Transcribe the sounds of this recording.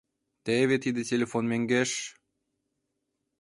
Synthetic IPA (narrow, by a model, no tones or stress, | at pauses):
t̪eβet̪id̪etʲelʲefonmeŋɡeʃ